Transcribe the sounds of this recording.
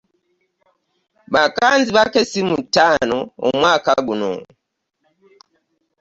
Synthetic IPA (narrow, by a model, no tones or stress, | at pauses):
ɓakanziβakɛsimutanɔːmwakaɡunɔ̰